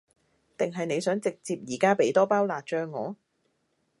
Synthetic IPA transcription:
t̪ɪ˨ŋɦɐ˨jne˨˧jsœː˨˥ŋt͡sɪ˨k̚t͡siː˧p̚jiː˨˩kaː˥pe˨˥jt̪ɔː˥paː˥wlaː˨t̚t͡ʃœː˧ŋːɔ̰ː˨˧

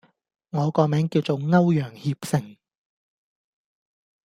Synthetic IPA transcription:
ŋɔː˨˧kɔː˧mɛː˨˥ŋkiː˧wt͡so˨˧wŋɐ˥wjœː˨˩ŋhiː˧p̚sɪ˨ŋ

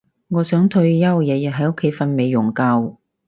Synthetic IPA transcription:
ŋɔː˨˧sœː˨˥ŋt̪ʰɵ˧ɥjɐ˥wjɛː˨˧jɐ˨t̚ɦɐ˨˥jʊ˥kʰːe˨˥jfɐ˧nme˨˧jːʊ˨˩ŋkaː˧w

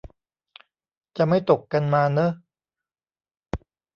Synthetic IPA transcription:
t͡ɕa˨˩ma˥˩jt̪o˨˩kːa˧nmaː˧nə˦˥

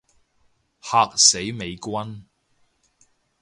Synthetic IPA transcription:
haː˧k̚se˨˥jme˨˧jkʷɐ˥n

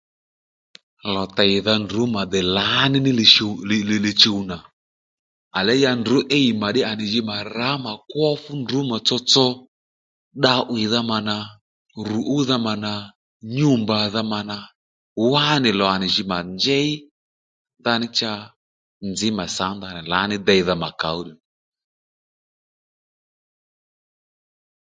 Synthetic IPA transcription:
lɔ˨ta˨jɪ˨ða˧ndʊ˨˦ma˨d̪ɛ˨la˨˦nɪ˦nɪ˦lɪ˨ʃe˧lllɪ˨t͡ʃe˧u˧na˨ | a˨lɛ˨˦ja˧ndʊ˨˦ʔe˦i˨ma˨ɗɪ˦a˨nɪ˨ʒɪ˧ma˨ra˨˦ma˨kwɔ˦fʊ˦ndʊ˨˦ma˨t͡sɔ˧t͡sɔ˦ | ɗa˧ʔwɪ˨ða˧ma˨na˨ | ru˨ʔu˦ða˧ma˨na˨ | ɲu˦mba˨ða˧ma˨na˧ | wa˦nɪ˨lɔ˨a˨nɪ˨ʒɪ˧ma˨nd͡ʒɛ˦i˦ | ða˧nɪ˦t͡ʃa˧ | nd͡zɪ˨˦ma˨sa˨˦ŋða˧nɪ˨la˨˦nɪ˦d̪ɛ˧i˨˦ða˧ma˨ka̰˨˦u˦ɗi˨

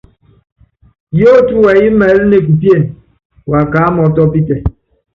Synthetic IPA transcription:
jo˦tu˦wa˨ji˦mɛ˨˦li˦ne˦˨k̬u˨pje˦˨n | wa˨ka˨˦mɔ˨tɔ˦pi˦tɛ˨

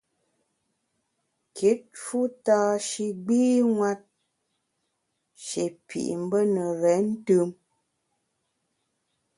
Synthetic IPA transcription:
kʰi˨˦t̚fu˦taː˦ʃi˦ɡ͡biː˦ŋwa˦t̚ | ʃe˨pʰḭ˨ʔm̩˦bə˦nə˨ɾɛ˨˦n̩˦tɯ˦m

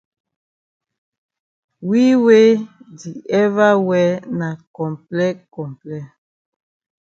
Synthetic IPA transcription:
wi˦we˦di˨ɛ˦va˦wɛ˦na˨kɔ̃˨mplɛ˦kɔ˨mplɛ˦

